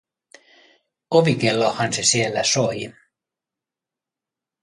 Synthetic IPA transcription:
oʋikelːohɑnsesielːæsoji

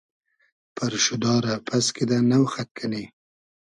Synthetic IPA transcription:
pʰəɾʃʊd̪ɑɾapʰasked̪anawxat̪̚kʰane

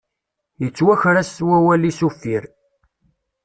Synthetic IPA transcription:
jət͡sːwæçɾæstwæwælisufːiɾ

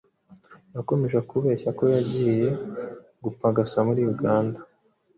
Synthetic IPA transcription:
jako̞me̞ʒakuβe̞ːçako̞jaɟiːje̞ | ɡup͡faɡasamuɾijuɡaːnda

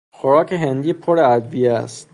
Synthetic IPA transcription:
xoɾɒːcʰeɦend̪iːpʰoɾeæd̪vijeæ̰st̪

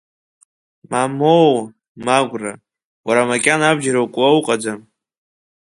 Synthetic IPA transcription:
mamow | maɡʷra | waɾamakʲʼanabd͡ʒaɾawkʷʼwawuqʼad͡zam

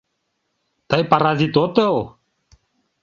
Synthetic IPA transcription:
t̪ajpaɾazit̪ot̪elˠ

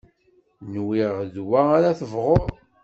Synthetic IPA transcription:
nwiʁðwaaɾaθəvʁoɾ

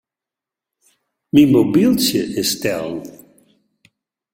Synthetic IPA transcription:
mimobilˠtəʔɪstɛlˠ

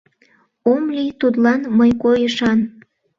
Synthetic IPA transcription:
omlit̪ud̪lɑnməjkojəʃɑn

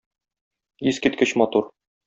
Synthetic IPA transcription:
izkit̪̚kɘɕmɒt̪uɾ

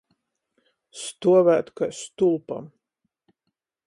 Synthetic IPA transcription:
st̪uɔvæːt̪kast̪ulˠpa̰m

